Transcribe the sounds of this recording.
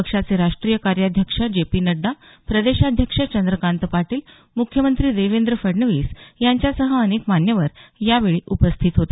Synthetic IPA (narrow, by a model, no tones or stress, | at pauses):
əkʂat͡seɾaʂʈɾiːjəkaɾjad̪ʱjəkʂad͡ʑepiːnəɖːa | pɾəd̪eɕad̪ʱjəkʂat͡ɕənd̪ɾəkant̪əpaʈiːl | mukʰjəmənt̪ɾiːd̪eʋend̪ɾəfəɾɳəʋiːsjaɲt͡ɕjasəɦəənekmanjəʋəɾjaʋeɭiːʔupəst̪ʰiːt̪ɦot̪e̥